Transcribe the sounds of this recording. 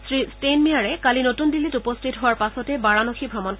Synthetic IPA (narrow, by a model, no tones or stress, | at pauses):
sɹistenmijaɹɛkalinotundilːitupɔstʰitɦʊwaɹpasɔtɛbaɹanoxʰibʱɹɔmɔn